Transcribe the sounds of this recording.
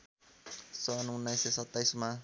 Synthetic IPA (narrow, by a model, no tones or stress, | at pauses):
sɔnuŋnajsesat̪ajsma